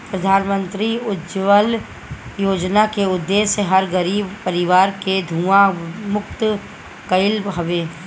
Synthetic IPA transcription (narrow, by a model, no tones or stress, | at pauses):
pɾəd̪ʱaːnmə̃nt̪ɾiʊd͡ʒʋəl | joːd͡ʒnakeʊd̪ːeːseɦɐɾɡəɾiːbpəɾɪʋaːɾked̪ʱuːamʊkt̪ | kəɪlɦɐʋeː